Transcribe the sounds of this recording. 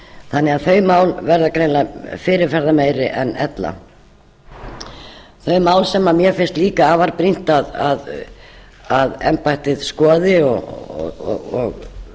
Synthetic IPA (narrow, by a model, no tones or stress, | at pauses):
θanːɛaðθœɥmaːwlvɛɾðakɾejnlafɪːɾɪɾfɛɾðamejɾɪʔɛnɛ̰t̪la̰ | θœɥmaːwlsɛmamjɛfɪnst̪liːkaaːvaɾpɾin̥t̪aðað | aðɛ̰mpajht̪ɪðskɔːðɪɔ̰ɣ̰ | ɣɔɣ